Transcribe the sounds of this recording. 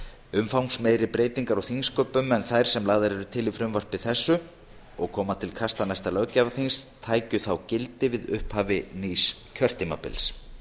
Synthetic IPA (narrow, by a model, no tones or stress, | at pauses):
ʏmfawnsmeːjɾɪpɾeːjt̪iŋkaɾaɣθiŋskœpʏmɛnθajɾ̥sɛmlaːɣðaɾɛɾʏt̪ʰɪlifɾʏmvar̥pɪθɛsːʏ | ɔɣkʰɔːmat̪ʰɪlkʰast̪anajst̪alœːwcavaθinst̪ʰaːjcʏθawcɪlt̪ɪvɪðʏhphaːvɪniːscʰœr̥t̪ɪma̰pɪ̰ls